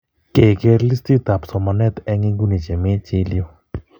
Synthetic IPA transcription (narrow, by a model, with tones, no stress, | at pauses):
ke˨ɡe˧ɾli˦sti˦t̪a˨psɔ˨ma˨nɛ˦t̪ɛ˦ŋɪ˦ŋɡu˦ni˨t͡ʃe˨mɪ˦t͡ʃɪ˦ljo˦